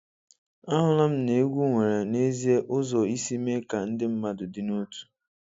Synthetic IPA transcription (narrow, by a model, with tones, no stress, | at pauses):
a˦ɦʊ˦la˦m̩˦ne˦ɡʷu˦ŋʷe˨ɾe˨ne˦zi˦e˦ʔʊ˦zɔ˨i˦si˦me˦ka˨n̩˦dɪ˦m̩˦ma˦dʊ˨di˦nu˦tu̥˨